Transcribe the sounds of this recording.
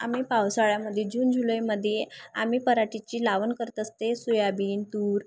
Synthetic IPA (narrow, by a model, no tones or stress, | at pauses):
amiːpawsaɭjaməd̪ʱjed͡ʑuːnd͡zʱuləjməd̪ʱːjea̰miːpəɾaʈit͡ɕiːlaʋənkəɾt̪əst̪esujabiːnt̪uːɾ